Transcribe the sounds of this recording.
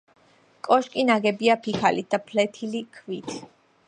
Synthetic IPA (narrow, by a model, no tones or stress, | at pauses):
kʼɔʃkʼinaɡɛbiapʰikʰalid̪apʰlɛt̪ʰilikʰvit̪ʰ